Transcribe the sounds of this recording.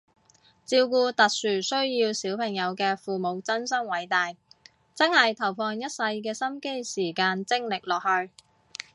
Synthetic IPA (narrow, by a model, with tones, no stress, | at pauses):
t͡siː˧wkuː˧t̪ɐ˨k̚syː˨˩sɵ˥ɥjiː˧wsiː˨˥wpʰɐ˨˩ŋjɐ˨˧wkɛː˧fuː˨mo˨˧wt͡sɐ˥nsɐ˥ŋwɐ˨˧˥jt̪aː˨j | t͡sɐ˥nhɐ˨jt̪ʰɐ˨˩wfʰɔː˧ŋjɐ˥t̚sɐ˧jkɛː˧sɐ˥mke˥jsiː˨˩kaː˧nt͡sɪ˥ŋlɪ˨k̚lɔː˨k̚hɵ˧ɥ